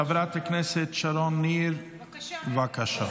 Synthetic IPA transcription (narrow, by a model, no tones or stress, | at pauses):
avɾat̪aknɛsɪt̪ʃaɾɔnːiːɾ | vakaʃa